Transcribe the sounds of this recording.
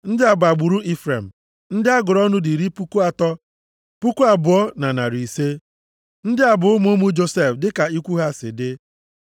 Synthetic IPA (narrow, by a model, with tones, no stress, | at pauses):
n̩˦dɪ˦a˨bʊ˨a˨ɡ͡bu˨ɾu˦ʔi˦fɾe˨m̩˨ | n̩˦dɪ˦a˦ɡʊ˨ɾɔ˦nʊ˦di˨ɾi˦pu˦ku˦a˨tɔ˦ | pu˦ku˦a˨bʊ˨ɔ˦na˨na˨ɾi˨se˦ | n̩˦dɪ˦a˨bʊ˨ʊ˦mo˦mu˦d͡ʒo˦se˦fdɪ˦ka˨i˦kʷu˦ɦa˦sɪ̰˨dɪ˦